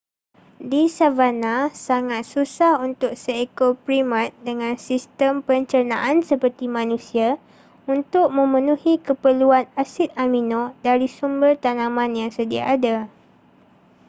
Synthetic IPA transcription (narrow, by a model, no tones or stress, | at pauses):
disavanasaŋat̪̚susahunt̪ʊk̚səekopɾimãt̪̚dəŋãnsist̪əmpəɲt͡ʃənã̰ʔansəpərt̪imãnũsia | unt̪ʊk̚mə̃mə̃nũhikəpəluanasɪt̪̚aminõdaɾisumbərt̪anãmãnjaŋsədia̰ʔːda